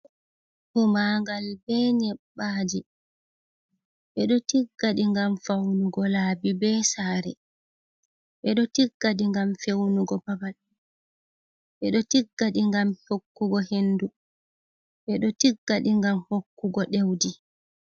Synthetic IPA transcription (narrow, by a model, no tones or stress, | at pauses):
humaŋɡalbɛːɲɛɓːaːd͡ʒi | ɓɛɗɔtiɡːaɗiŋɡamfawnuɡɔlaːbibɛːsaːɾɛ̰ | ɓɛɗɔtiɡːaɗiŋɡamfewnuɡɔbabal | ɓɛɗɔtiɡːaɗiŋɡamhokːuɡɔhenːdu | ɓɛɗɔtiɡːaɗiŋɡamhokːuɡɔɗewdi